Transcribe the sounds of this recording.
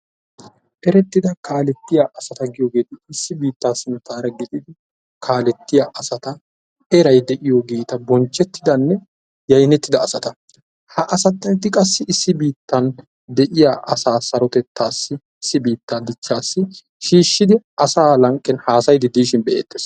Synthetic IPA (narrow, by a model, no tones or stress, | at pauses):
ʔɛɾɛt̪ːɪd̪ɐkaːlɛt̪ːɪjaːʔɐsɐt̪ɐɡɪjoːɡe̞ːt̪ɪɪsːɪbiːt̪ːaːsːɪnɐt̪aːɾɐɡɪt̪ɪd̪ɪ | kʰaːlɛt̪ːɪjaʔɐsɐt̪ɐ | ʔɛɾɐjd̪ɛʔɪjoɡiːt̪ɐbɔnt͡ʃːɛt̪ːɪd̪ɐnːɛ | jɐjnɛt̪ːɪd̪ɐːsɐt̪ɐ | hɐʔɐsɐt̪ːɐɪt̪ːɪkʼɐsːɪʔɪsːɪbiːt̪ːɐn | d̪ɛʔɪjaːʔɐsaːsɐɾɔt̪ɛt̪ʰːaːsːɪ | ɪsːɪbiːt̪ːad̪ɪt͡ʃːaːsːɪ | ʃiːʃːɪd̪ɪʔɐsaːlɐŋkʼːɛnhaːsɐjd̪ɪd̪iːʃɪnbɛʔeːt̪ːes